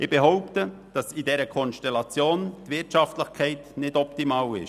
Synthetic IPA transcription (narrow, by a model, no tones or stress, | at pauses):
ɪb̥eɦɔʊptə | d̥ɑsidɛɾəkʰɔnʃtɛlɑt͡sjoːntvɪtɑftlɪχkʰɛɪtnɪdɔptimɑːwɪ̰ʃ